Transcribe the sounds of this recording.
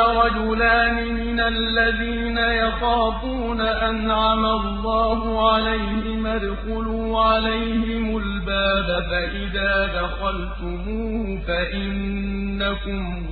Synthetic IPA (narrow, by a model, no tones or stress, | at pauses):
ɾˤɑd͡ʒʊlaːnɪmɪnalːaðiːnajɑt̪ˤɑːbuːnaʔanʕamalːɑːhʊʕalajhɪmad̪qʊluːʕalajhɪmʊlbaːbafaʔɪðaːd̪axalt̪ʊmuːh | faʔɪnnː | akʊm